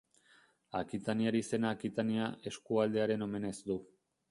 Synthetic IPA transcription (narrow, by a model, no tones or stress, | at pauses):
akit̪aniaɾiːse̞naːkit̪aniaʔe̞skuald̪e̞aɾe̞no̞me̞ne̞zd̪u